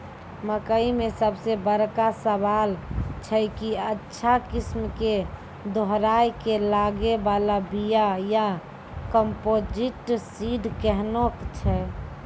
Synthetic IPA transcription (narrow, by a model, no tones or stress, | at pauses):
məkəimesəbsebəɾkasəβalt͡ʃʰɛkiətːʃʰakismke | d̪ʱoɦɾajkelaɡebalabijaja | kəmpod͡ʒiʈsiɖkɛɦnokt͡ʃʰɛ